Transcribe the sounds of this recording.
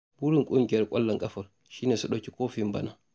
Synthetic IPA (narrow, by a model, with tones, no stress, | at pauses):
bu˦ɾi˨ŋkʼu˦ŋɡʲɛɾkʼɔ˦lːa˨ŋkʼɐ˦fɔɾ | ʃi˦ne˨su˨ɗokʲi˨koː˦fimba̰na˨